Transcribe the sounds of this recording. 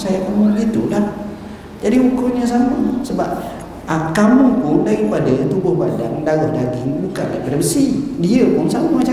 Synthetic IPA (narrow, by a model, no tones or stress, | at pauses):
sajakamuɡit̪uʔlah | d͡ʒadiukʊɲas̬aməsəbap̚ | akamupʊndaɾikadat̪ubʊhbadaŋdaɣɔhdaɡɪŋbuka̰ʔla̰bəɾəsidiəbʊŋsamumat͡ʃa